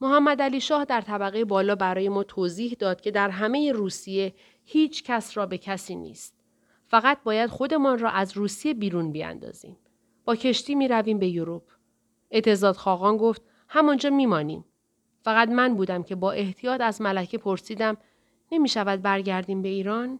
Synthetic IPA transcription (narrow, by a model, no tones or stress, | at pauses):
moɦæmːæd̪æliːʃɒːhd̪æɾt̪ʰæbæɣejebɒːlɒːbæɾɒːje̞mɒːt̪ʰoːziːhd̪ɒːd̪̥̚kcʰe̞d̪æɾɦæme̞je̞ɾuːsije̞ | hiːt͡ʃʰcʰæsɾɒːbe̞cʰæsiːnḭːst̪̚ | fæɣæt̪̚bɒːjæd̪̥xo̞d̪e̞mɒnrɒːʔæzɾuːsije̞biːɾuːnbijæ̰nd̪ɒ̰ːz̥ḭːm | b̥ɒːcʰe̞ʃt̪iːmiːɾæviːmbe̞joɾupʰ | et̪ʰe̞zɒːd̪xɒːɣɒːnɡo̞ft̪̚ | hæmɒnd͡ʒɒːmiːmɒːnḭːm | fæɣæt̪mænbuːd̪æmcʰe̞bɒːʔe̞ht̪ʰijɒːt̪æzmælæcʰe̞pʰo̞ɾsiːd̪æm | ne̞miːʃævæd̪̚bæɾɟæɾd̪iːmbe̞iːɾɒːn